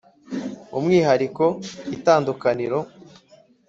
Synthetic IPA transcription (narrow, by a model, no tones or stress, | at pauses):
umŋiːɦaɾiko̞itaːndukaniɾo̞